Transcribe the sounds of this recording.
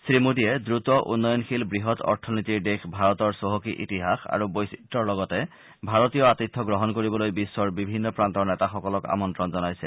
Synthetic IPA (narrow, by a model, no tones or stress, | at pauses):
sɹimudiɛdɹutɔʔṵnːɔjɔnxilbɹiɦɔtʰɔ̰ɹtʰɔnitiɹdexbʱaɹɔtɔɹsoɦɔkiʔḭtiɦaxa̰ɹubojsitːɔɹlɔɡɔtɛ | bʱaɹɔtijɔatit̪ʰːɔɡɹɔɦɔnkoɹibɔlojbisːɔɹbibʱinːɔpɹantɔɹnɛtaxɔkɔlɔka̰mɔntɹɔnzɔnajsɛ